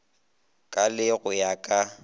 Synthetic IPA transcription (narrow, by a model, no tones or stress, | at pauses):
kʼalɪɣʊjakʼa